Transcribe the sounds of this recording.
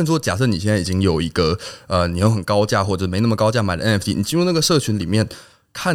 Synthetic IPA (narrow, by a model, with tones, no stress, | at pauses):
nʂwɔ˥t͡ɕja̰˨˩ʂɤ˥˩ni˨˩jɛ˥˧nt͡si˨˩t͡ɕi˦˥ŋjo˨˩ʊi˧˥ɡ̥ə˧ə˧ni˨˩jo˥˩ʊxə˨˩nkɑ˥ʊt͡ɕja˥˧xwɔ˥˩ʈ͡ʂə˨˩˥e˧˥ɪna˥˩mə˩kɑ˥ʊt͡ɕja˥˩ma˨˩d̪ə̰˧ɛ˥nɛ˥ft̪ḭ˥ni˨˩t͡ɕi˥nɻu˧na˥˩ɡə˩ʂɤ˥˩t͡ɕʰy˧˥nli˨˩mjɛ˥˩n | kʰa˥˩